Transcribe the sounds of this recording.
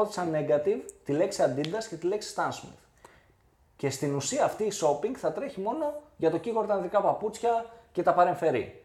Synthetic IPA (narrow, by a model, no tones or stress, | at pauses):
oθi̥sɐne̞ɡɐt̪ivt̪ile̞ksiɐnd̪ind̪ɐsce̞t̪ile̞ksi̥st̪ɐnsmḭθ | ce̞st̪inusiɐːft̪iːso̞piŋɡθɐt̪ɾe̞çimo̞no̞ʝɐt̪o̞ciɣo̞ɾt̪ɐnðikɐpɐput͡sçɐce̞t̪ɐpɐɾe̞ɱfe̞ɾḭ